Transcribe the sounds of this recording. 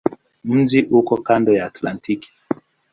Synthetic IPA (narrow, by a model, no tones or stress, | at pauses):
m̩d͡ʒiʔukɔkandɔjaatlantiki̥